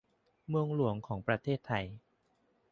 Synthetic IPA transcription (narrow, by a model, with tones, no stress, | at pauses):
mɯ˧əŋlu˩˦əŋkʰɔː˩˦ŋpɾa˧t̪ʰeː˥˩t̪ʰːa˧j